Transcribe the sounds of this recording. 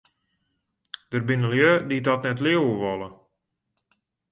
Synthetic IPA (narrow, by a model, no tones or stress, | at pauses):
d̥ərbɪnəlˠjødidɔtnɛtlɪəwəʋɔlˠə